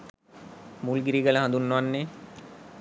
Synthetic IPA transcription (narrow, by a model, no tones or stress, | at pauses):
mulɡiɾiɡələɦãnd̪unːoʋanːe